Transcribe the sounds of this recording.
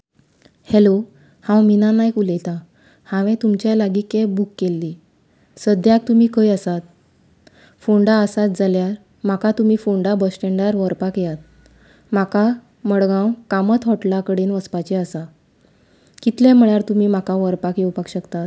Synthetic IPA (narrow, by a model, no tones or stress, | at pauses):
helo | hãwminanajkulet̪a | hãʋẽt̪umt͡ɕjalaɡiːkebukːelːiː | səd̪ʱjak̚t̪umiːkəjəsat̪̚ | foɳɖaəsat̪̚d͡zʱaljaɾ | makat̪um̤iːfoɳɖabəsʈeɳɖaɾʋəɾpakjat̪̚ | maka | məɽɡãwkamət̪ɦɔʈlakəɽenʋəspat͡ɕɛəsa | kit̪lɛm̤əɭjaɾt̪umiːm̤akaʋəɾpakjewpakɕəkt̪at̪